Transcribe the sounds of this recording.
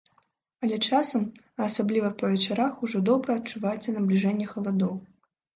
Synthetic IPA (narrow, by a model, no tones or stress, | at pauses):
ɐlʲɛt͡ʂasɐm | ɐsablʲivɐpɐvʲɛt͡ʂaɾaxuʐɔd̪ɔbɾɐːt̚t͡ʂuvajɛt̪sʲɐnɐblʲiʐɛnʲːɛxɐlˠad̪ɔw